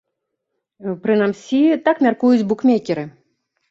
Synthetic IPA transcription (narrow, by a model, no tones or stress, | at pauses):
pɾɨnamsʲit̪akmʲarkujud͡zʲbukmʲekʲɛɾɨ